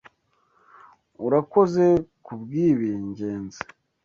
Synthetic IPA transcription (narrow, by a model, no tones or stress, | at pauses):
uɾako̞ze̞kubɡiːβiːɲɟe̞ːnze̥